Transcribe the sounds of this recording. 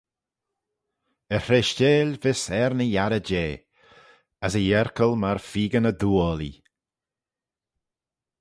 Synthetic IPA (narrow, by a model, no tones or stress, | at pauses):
əhɪʃt͡ʃeːlvɪsɛɾnəjaɾəd͡ʒeː | əsəjɛɾkʰəlmaɹfiːɡənəd̪uːəlḭ